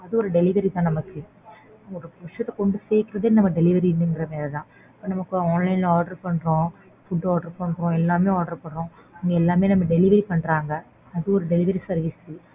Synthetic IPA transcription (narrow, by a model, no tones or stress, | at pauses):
ɐðɯɔɾɯɖɛlɪʋɐɾit̪ãːnɐmɐkːɯ | ɔɾɯʋɐʂɐt̪ːɛkɔɳɖɯseːkɪɾɐðeːnɐmːɐɖɛlɪʋɐɾinɯɛnɡɪɾɐmeːlɐðãː | ɐpːɐːnɐmɐkːɯaːnlɐɪnlaːɖɐɾpɐɳɾõ | fʊɖːaːɖɐɾpɐɳɾõɛlːaːmeːaːɖɐɾpɐɳɾõʊŋɡɐɛlːaːmeːnɐmːɐɖɛlɪʋɐɾipɐɳɾaːŋɡɐ | ɐðɯɔɾɯɖɛlɪʋɐɾisɐɾʋɪsɯ